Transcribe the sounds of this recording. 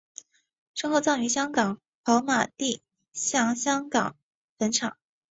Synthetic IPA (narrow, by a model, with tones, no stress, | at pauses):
ʂɤ˥˧ŋxo˥˧t͡sɑ˥˩ŋy˧˥ɕjɑ˥ŋkɑ˨˩˦ŋ | pʰɑ˧˥ʊma˨˩t̪i˥˩ | ɕjɑ˥˩ŋɕjɑ˥ŋkɑ˨˩˦ŋ | pə˧˥nʈ͡ʂʰɑ̰˨˩˦ŋ